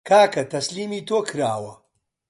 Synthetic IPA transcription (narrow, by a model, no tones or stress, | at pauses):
kʰaːkɐt̪ʰɐsliːmiːt̪ʰoːkʰɨɾa̰ːwɐ